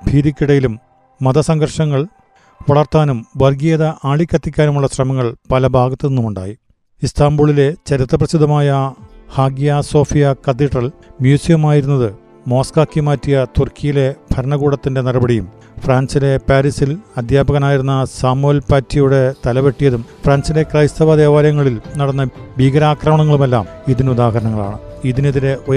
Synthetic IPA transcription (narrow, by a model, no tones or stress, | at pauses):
bʱiːɾikʲːiɽɐjilumː | ɐðɐsɐŋɡɐrʂɐŋːɐɭ | ʋɐɭɐrt̪aːnumʋɐrɡieːðɐʔaːɭikʲːɐt̪ːikʲːaːnumuɭːɐɕrɐmɐŋːɐɭpɐlɐbʱaːɡɐt̪ːeenːumuɳɖa̰ːji | ist̪ʰaːmbuːɭile̞t͡ɕɐɾit̪ːrɐprɐsid̪ɐmaːjɐhaːɡjaːso̞ːfijɐkɐt̪ːiʈrɐlmjuːsijɐmaːjiɾunːɐðɨ | mo̞ːskaːkːimaːtːijɐt̪urkʰijile̞bʱɐɾɐɳɐɣuːɽɐt̪ːinde̞nirɐbɐɽijum | fraːnsile̞paːɾisilɐd̪ʱjaːbɐɣɐnaːjiɾunːɐsaːmolpaːtːijuɽe̞t̪ɐlɐʋeʈːijɐðumfraːnsile̞krɐjst̪ɐʋɐd̪eːʋaːɾjɐŋːɐɭilnɐɽɐnːɐbʱiːɡɐɾaːkrɐmɐɳɐŋːɐɭume̞lːaːm | iðinud̪aːɦɐɾɐɳɐŋːɐɭa̰ːɳɨ | iðineðiɾe̞ʔo